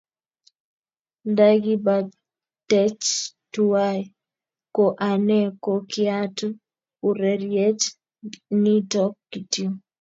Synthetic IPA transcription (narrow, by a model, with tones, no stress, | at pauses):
da˦ɡi˦ba˨ | tɛ˦t͡ʃtua˦j | ko˨ʔa˨nɛ˦kokɪ˦a˦tu˦ | u˨ɾɛ˨ɾjɛ˦t͡ʃ | ni˦tɔ˦kːi˨tio˦